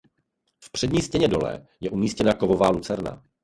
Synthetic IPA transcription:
fpr̥ɛdɲiːscɛɲɛdo̞lɛ̰jɛʔumiːscɛnako̞vo̞vaːlut͡sɛɾna̰

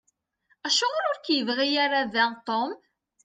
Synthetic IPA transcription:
æʃʊʁɾʊɾkjəvʁijaɾaðæt̪ˤom

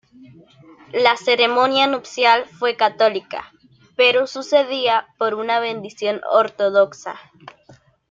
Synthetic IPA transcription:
lase̞ɾemõnjanupsjalfwe̞kat̪o̞lika̰ | pe̞ɾosuse̞ðiapo̞ɾunaβe̞nd̪isjo̞noɾt̪oðoksa̰

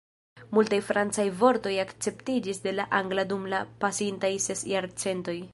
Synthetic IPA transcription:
multajfɾant͡sajvo̞ɾto̞jakt͡se̞ptid͡ʒisde̞laʔaŋɡladumlapasintajse̞sjaɾt͡se̞nto̞j

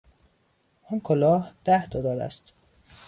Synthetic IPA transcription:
ɔːnkʰolɒːhd̪̥æhd̪ɒd̪ɒːɾæ̰st̪

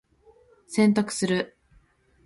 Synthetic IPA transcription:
sẽ̞nt̪akɯ̟̥sɨɾɯ̟

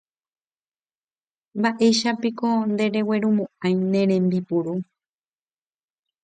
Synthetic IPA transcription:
mbaʔe̞ʃapikond̪eɾe̞weɾumũãjnẽ̞ɾẽ̞mbipuɾu

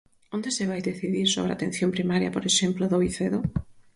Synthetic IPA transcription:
ond̪eseβajðeθiðiɾsoβ̞ɾeat̪en̟θjompɾimaɾja̰poɾeʃemploðoiθeðo

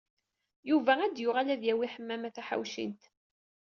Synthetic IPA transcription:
juvææd̪jʊʁalæðjæwiħəmːæmæθæħa̰wʃḭnt̪

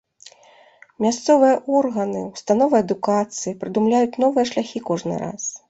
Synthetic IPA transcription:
mʲast̪sɔvɨjɐʔɔrɣɐnɨwst̪anɔvɨjɐd̪ukat̪sɨjipɾɨd̪umlʲajut͡sʲnɔvɨjɐʂlʲaxʲikɔʐnɨ̰ɾa̰s

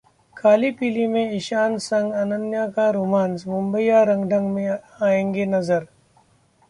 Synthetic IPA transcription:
kʰaːlipiːlimẽɪʃaːnsɐ̃ŋɡɐnənjakaɾumaːnsmʊ̃mbəijaɾɐ̃ŋɡɖʱə̃ŋɡmẽ | aːẽːŋɡenɐzəɾ

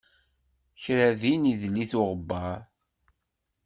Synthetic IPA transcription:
çɾæðiniðlːiθʊʁəbːɑɾˤ

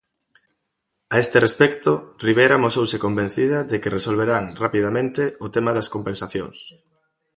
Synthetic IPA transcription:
aest̪erespɛkt̪oriβ̞ejɾamosowsekombẽn̟θiðɐðekeresolβ̞eɾaŋrapiðamẽnt̪eʊt̪emaðɐskompensaθjo̰ŋs

